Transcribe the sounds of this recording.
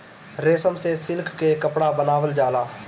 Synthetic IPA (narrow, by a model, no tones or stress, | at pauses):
ɾeːsəmsesɪlkʰkekəpɽabənaːʋəld͡ʒaːlaː